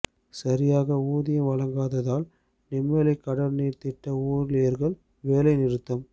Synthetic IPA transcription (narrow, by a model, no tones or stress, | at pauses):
sɐɾɪjaːɣɐuːðɪjɐmʋɐlɐŋɡaːðɐðaːl | nɪmːeːlɐɪkːɐɽɐɾniːɾt̪ɪʈːɐuːɾɪlɪjɐɾɣɐɭ | ʋeːlɐɪnɪɾɯt̪ːɐm